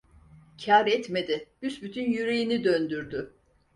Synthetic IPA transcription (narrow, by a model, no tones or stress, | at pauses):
cʰaːɾɛt̪me̞d̪ɪb̥ysbyt̪ʰynjyɾejinid̪ønd̪yɾd̪y